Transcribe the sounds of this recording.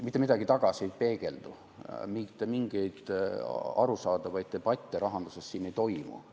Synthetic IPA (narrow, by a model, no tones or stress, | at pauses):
mit̪ːˑemid̪ɑɡ̥it̪ɑɡ̥ɑsiejpe̞ːɡ̥e̞ld̪̥u | mit̪ːemiŋɡ̥ejd̪̥ | ɑ̰ɾusɑːd̪̥ɑvɑjt̪̚ːebɑt̪ʲːˑeɾɑɦɑnd̪usessiːnːe̞jt̪o̞jmṵ